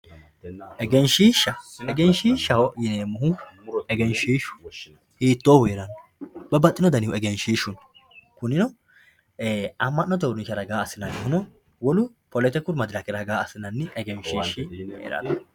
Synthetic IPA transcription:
ɛɡɛnʃiːʃɐɛɡɛnʃiːʃɐhɔjɪneːmːʊhʊɛɡɛnʃiːʃʊ̥ | hiːt̪ːoːweːɾɐnːɔbɐbɐt̪ʼːɪnɔd̪ɐnɪhʊɛɡɛnʃiːʃʊn | kʊnɪnɔ | ɐmːɐnːɐt̪ɔwɾʊnʃɐɾɐɡaːɐsːɪnɐnɪhʊnɔ | wɔlʊ | pɔlɛt̪ɛkʊɾmɐd̪ɪlɐkɪɾɐɡaːɐsːɪnɐnːɪʔɛɡɛnʃiːʃɪḛɾɐ̰nɐ

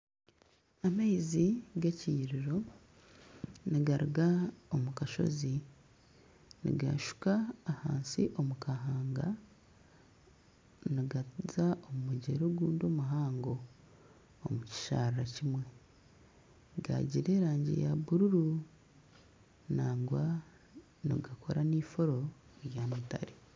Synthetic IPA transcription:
amaiziɡaciːɾiɾo̞ | niɡaɾuɡaomukaʃo̞̰zi | nḭɡa̰ʃu̥kaːhaːnsḭʔo̞mukʰaɦaːŋɡa | niɡazaomumuɟḛɾoːɡuːndo̞ːmuɦaːŋɡoː | muci̥ʃa̰rɾacimwe̞ | ɡa̰ɟiɾe̞ːɾaːɲɟḛjaβuɾuɾu | naːŋɡwa | nḭɡakʰo̞̰ɾaniːfo̞ɾo̞ɾjamuta̰ɾi

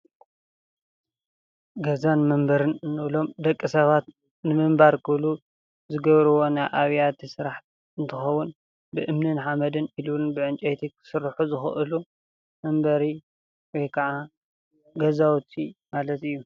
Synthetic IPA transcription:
ɡɐzanmɐmbɐɾɨnɨnːɨlo̞md̪ɐkʼːisɐβat̪ | nɨmɨmbaɾkʰɨlu | zɨɡɐβɾɨwo̞najʔaβjat̪ʰisɨɾaħ | ɨnt̪ʰɨxɐwʊn | bɨʔɨmnɨnħamɐd̪ɨnilunbɨʕɨnt͡ʃʼejt̪ʰikʰɨ̥sɨɾːħuzɨxɨ̰ʔɨlu | mɐmbɐɾi | wɔjkʰɐʕa | ɡɐzawt̪ʰimalɐt̪ɨjːu

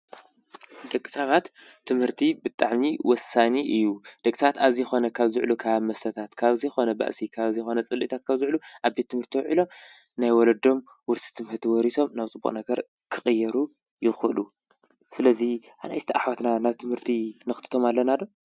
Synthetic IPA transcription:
d̪ɐkʼːi̥sɐβat̪ʰː | ɨmhɨɾt̪ʰibɨt̪ʼaʕmiwɔsaniʔɨjːud̪̥ɐkʼːisɐβat̪aβzijxo̞nɐkʰaβzɨʕlukʰaamɐsɐt̪ʰat̪kʰaβzixo̞nɐba̰ʔsikʰaβzijxo̞nɐt͡sʼɨlʔit̪ʰat̪kʰaβzɨʕluʔaβbe̞t̪ʰːɨmhɨɾt̪ʰiwɔʕilo̞ | najwɔlɐd̪o̞m | wʊɾsi̥t̪ʰɨmhɨt̪ʰiwɔɾiso̞mnaβt͡sʼɨbːṵχʼnɐɡɐɾ | kʰɨxʼɨjːɛɾu | jɪxlu | sɨlɐziʔana̰jsɨt̪ʰɐʔaħwat̪nanaβt̪ʰɨmhɨɾt̪ʰinɨxɨt̪ʰɨ̥t̪ʰo̞malːɐnad̪o

